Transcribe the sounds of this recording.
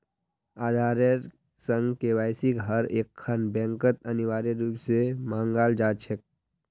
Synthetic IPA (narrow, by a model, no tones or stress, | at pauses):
aːd̪ʱaːɾəɾ | sə̃ŋɡkeʋaːɪsikɦəɾeːkʰːənbɛ̃ːŋkət̪əniʋaːɾeɾuːpsemãːŋɡaːld͡ʒaːt͡ʃʰek̚